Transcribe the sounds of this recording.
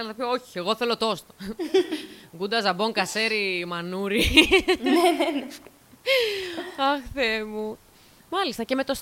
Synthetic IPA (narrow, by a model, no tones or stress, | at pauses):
lt̪opioçi̥eɣo̞θe̞lo̞t̪o̞st̪o̥ | ɡund̪ɐzɐbo̞ŋkɐse̞ɾimɐnuɾinenn | ɐxθemu | mɐlist̪ɐce̞me̞t̪o̞s